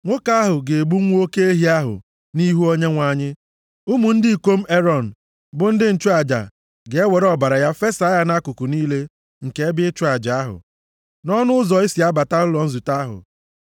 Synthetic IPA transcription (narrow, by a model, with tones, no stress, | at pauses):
ŋʷʊ˦ka˦a˦ɦʊ˨ɡe˨e˨bu˦ŋʷ˦o˦ke˦e˦ɦi˦a˦ɦʊ̰˨ | ni˦ɦu˦o˦ɲe˦ŋʷa˨ɲɪ˦ | u˦mu˨n̩˦dɪ˦i˨kʷo˦m̩˦e˦ɾɔ˨n̩˨ | bʊ˦n̩˦dɪ˦n̩˨t͡ʃu˦a˨d͡ʒa̰˨ | ɡe˨e˦we˨ɾɔ˦ba˨ɾa˨ja˦fe˦sa˨˦ja˦na˦kʊ˨ku˨niː˦le˦ | ŋ̩˨ke˦e˦bɪ˦t͡ʃu˦a˨d͡ʒa˨a˦ɦʊ̰˨ | nɔ˦nʊ˦ʊ˦zɔ˨i˦si˨a˦ba˨ta˦ʊ˦lɔ˨n̩˦zu˨ta˦ɦʊ̰˨